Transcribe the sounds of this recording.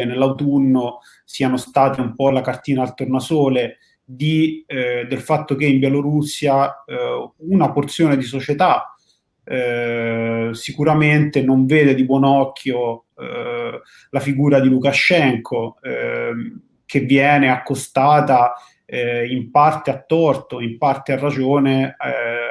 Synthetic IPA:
enelːawt̪unːo | siːanost̪aːt̪eumpɔlakart̪iːnaːlt̪ornasoːle | d̪id̪elfat̪ːokeimbjɛloɾusːja | unaport̪sjoːned̪is̬ot͡ʃet̪a | sikuɾament̪enoɱveːd̪ed̪ibwɔnɔkʰːjo | lafiɡuːɾad̪ilukaʃɛŋkʰo | kʰevːjɛːneakːost̪aːt̪a | impart̪eat̪ːɔrt̪oimpart̪earːad͡ʒoːne

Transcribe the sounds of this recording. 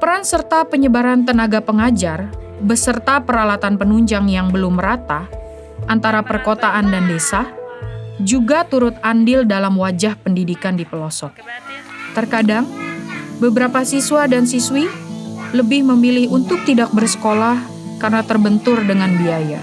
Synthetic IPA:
pəɾansərt̪apəɲəbaɾant̪ənaɡapəŋad͡ʒar | bəsərt̪apəɾalat̪anpənuɲd͡ʒaŋjaŋbəlʊmːəɾat̪a | ʔant̪aɾapərkot̪aʔandandesa | d͡ʒuɡat̪uɾʊt̪̚andɪldalamwad͡ʒahpəndidikandipəlɔsɔt̚ | t̪ərkadaŋ | bəbəɾapasiswadansiswiləbɪhməmilɪhunt̪ʊk̚t̪idak̚bərsə̥kolah | karnat̪ərbənt̪ʊrdəŋanbiaja̰

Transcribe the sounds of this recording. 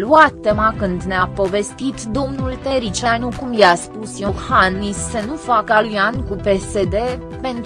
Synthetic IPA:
luat̪ːemakɨnd̪neapo̞ve̞st̪it̪d̪o̞mnult̪eɾit͡ʃanukumjaspusjokhanːisːənufakalujankupe̞se̞d̪e̞ | pe̞nt̪

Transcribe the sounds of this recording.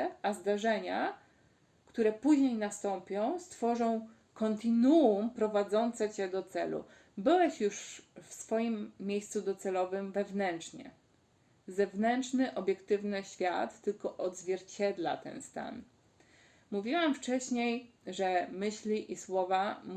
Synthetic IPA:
ʔazd̪aʐɛɲa | kt̪uɾɛpuʑɲejnast̪ɔmpʲjɔ̃w̃st̪fɔʐɔ̃w̃ | kɔnt̪ɘnuumpɾɔvad̪zɔnt̪sɛt͡ɕɛd̪ɔt̪sɛ̰lṵ | bɘwɛɕjuʂfsfɔjimːjejst̪sud̪ɔt̪sɛlɔvɘmvɛvnɛnt͡ʂɲɛ̰ | zɛvnɛnt͡ʂnɘʔɔbʲjɛkt̪ɘvnɘɕfʲjat̪ːɘlkɔʔɔd̪zvʲjɛɾt͡ɕɛd̪la̰t̪ɛ̰nst̪a̰n | muvʲiwamft͡ʂɛɕɲejʐɛmɘɕlʲiʔiswɔvam

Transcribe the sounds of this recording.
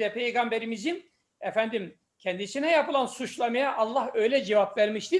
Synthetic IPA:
ɛpʰejɡambeɾimizin | ɛfænd̪im | cʰɛnd̪isinɛjapɯlˠansut͡ʃlˠamajaʔːlˠːahø̞jlʲɛd͡ʒevapvæɾmiʃt̪i

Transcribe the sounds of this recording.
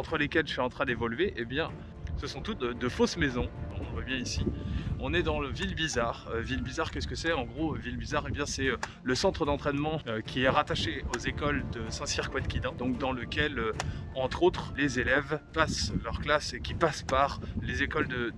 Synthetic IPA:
ɑ̃t̪χəlekʲɛlʒəsɥiɑ̃t̪χɛ̃d̪evɔlveʔebjɛ̃ | səsɔ̃t̪ut̪d̪əfosmezɔ̃ɔ̃vwabjɛ̃isiɔ̃nɛd̪ɑ̃ləvilbizaʁøvilbizaʁkʲɛsə̥kəsɛɑ̃ɡʁovilbizaʁebjɛ̃sɛ | ləsɑ̃t̪χəd̪ɑ̃t̪χɛnmɑ̃økʲiɛʁat̪aʃeozekɔld̪əsɛ̃siʁkwɛt̪kʲid̪ɑ̃d̪ɔ̃k̚d̪ɑ̃ləkʲɛløɑ̃t̪χot̪χlezelɛvpaslœʁklasekʲipaspaʁlezekɔld̪ə

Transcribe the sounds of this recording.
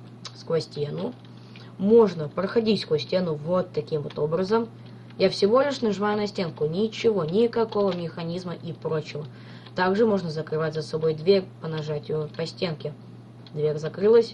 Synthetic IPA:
skɐsʲtʲenʊ | mo̞ʐnəpɾəxɐdʲitʲskosʲtʲe̞nʊvo̞t̪ːɐkʲimvot̪o̞bɾəzəm | jafsʲɪvo̞lʲɪʂnɐʐɨvajʊnɐsʲtʲe̞nkʊnʲɪt͡ɕɪvo̞nʲɪkɐko̞vəmʲɪxɐnʲizməʔipɾot͡ɕɪvə | t̪aɡʐɨmo̞ʐnəzəkɾɨvatʲzəsɐbo̞jd̪vʲeɾʲpənɐʐatʲjʊpɐsʲtʲenkʲɪ | d̪vʲeɾʲzɐkɾɨlˠəsʲ

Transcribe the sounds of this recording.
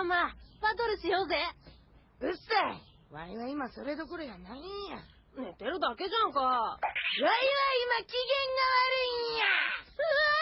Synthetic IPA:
maβad̪oɾɯ̟ɕijoːze | ɯsai | βa̰iβaimasoɾed̪o̞koɾojanaĩja | net̪e̞ɾɯ̟d̪ake̞ʑãŋka | βaiβaimakʲiɡẽ̞ŋɡaβaɾɯ̟ija

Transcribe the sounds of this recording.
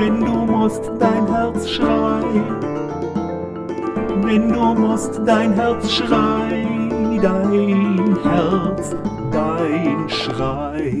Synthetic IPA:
vɛnduːmʊstd̥aɪnɦɛʁt͡sʃʁaɪ | vɛnduːmʊstdaɪnɦɛʁt͡sʃʁaɪdaɪnhɛʁt͡s | daɪɪnʃʁa | ɪ

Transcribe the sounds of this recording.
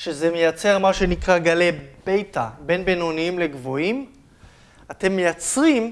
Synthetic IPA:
ʃezeme̞jat͡se̞ʁmaʃe̞nikʁaɡale̞b̥e̞jtabe̞nbenoniimle̞ɡvoim | ate̞mːe̞jat͡sʁim

